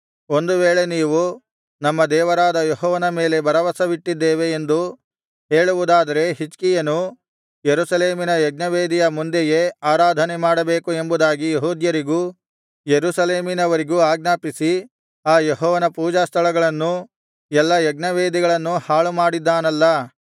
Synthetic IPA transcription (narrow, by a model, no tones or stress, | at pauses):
o̞nd̪uʋeːɭe̞niːʋu | nɐmːɐd̪ɛːʋɐɾaːd̪ɐjɔɦɔːʋɐnɐme̞ːle̞bɐɾɐʋɐsɐʋiʈːid̪ːeːʋe̞ːnd̪u | ɦe̞ːɭuʋud̪aːd̪ɐɾe̞ɦit͡ʃkijɐnu | jeɾusɐleːminɐjɛɡnɐʋeːd̪ijɐmund̪eje̞aːɾaːd̪ʱɐnemaːɽɐbe̞ːkue̞mbud̪aːɡijeɦuːd̪jɐɾiɡuː | jeɾusɐleːminɐʋɐɾiɡuaːɡ̚naːpisi | aːjeɦɔːʋɐnɐpuːd͡ʒaːst̪ʰɐɭɐɡɐɭɐnːu | jɛlːɐjɛɡnɐʋeːd̪iɡɐɭɐnːuhaːɭumaːɽid̪ːaːnɐlːɐ